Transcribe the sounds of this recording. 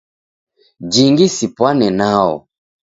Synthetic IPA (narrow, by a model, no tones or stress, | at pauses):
d͡ʒiŋɡisipwanɛnaɔ̰